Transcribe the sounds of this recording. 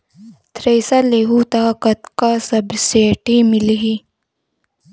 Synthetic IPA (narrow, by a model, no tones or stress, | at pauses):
t̪ɾejsaleɦut̪aːkɐt̪kasɐbseʈimiliɦi